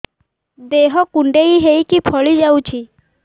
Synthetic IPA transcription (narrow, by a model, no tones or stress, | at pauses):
d̪eɦɔkuɳɖejɦejkipʰɔɭid͡ʒawt͡ʃʰi